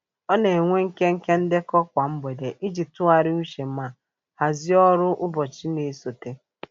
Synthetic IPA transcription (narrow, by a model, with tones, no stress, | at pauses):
ɔ˦ne˨ŋʷe˦ŋ̩˦ke˦ŋ̩˦ke˦n̩˦dɪ˦kɔ˦kʷa˨m̩˦be˨de˨ʔi˦d͡ʒi˨tʊ˦a˨ɾɪ˦u˦ʃe˨˦a˨ | ha˨zɪ˦ɔ˦ɾʊ˦ʔʊ˦bɔ˨t͡ʃi˦ne˨so˨te˦